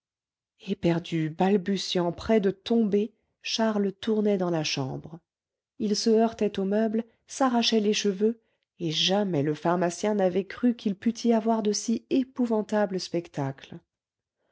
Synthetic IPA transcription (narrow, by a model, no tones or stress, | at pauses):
epɛʁd̪ybalbysjɑ̃pχɛd̪ət̪ɔ̃be | ʃaʁlət̪uʁnɛd̪ɑ̃laʃɑ̰̃bʁ | ilsəœʁt̪ɛt̪omœbl | saʁaʃɛleʃəvø | eʒamɛləfaʁmasjɛ̃navɛkχykʲilpyt̪ʰiavwaʁd̪əsiepuvɑ̃t̪abləspɛkt̪akl